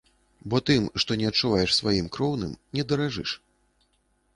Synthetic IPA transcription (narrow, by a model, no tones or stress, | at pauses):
bɔt̪ɨmʂt̪ɔnʲɛɐtt͡ʂːuvajɛʂsvajimkɾɔwnɨ̰mnʲɛd̪ɐɾaʐɨ̰ʂ